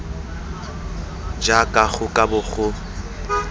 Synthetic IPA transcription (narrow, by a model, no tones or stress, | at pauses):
d͡ʒakʼaɣʊkʼabʊɣʊ